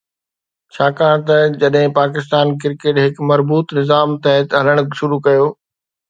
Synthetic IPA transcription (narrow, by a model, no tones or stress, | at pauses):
t͡ɕʰaːkãːɽ̃t̪ɐd͡ʑɐɗɦɪ̃paːk̬ɪst̪aːnk̬ɪɾkeːʈɦɪkmɐɾbuːt̪nɪzaːmt̪ɐɦɪt̪ɦɐləɽ̃ʃʊɾukɐjoː